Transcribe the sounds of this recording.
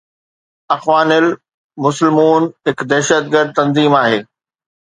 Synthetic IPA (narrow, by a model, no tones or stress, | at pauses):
ɐxʋaːnɪl | mʊsɪlmuːnɦɪkd̪ɛɦʃət̪̚ɡəɾd̪̚t̪ɐ̃nziːmaːɦeː